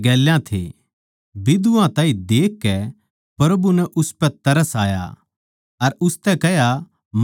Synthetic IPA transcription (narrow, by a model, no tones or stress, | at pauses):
ɡɛːljãt̪ʰḛː | bɪd̪uãt̪ãːĩd̪eːkːɛ | pɾɐbunɛʔʊspɛt̪ɐɾəsaːja̰ | ɐɾʊst̪ɛkɛɦja | m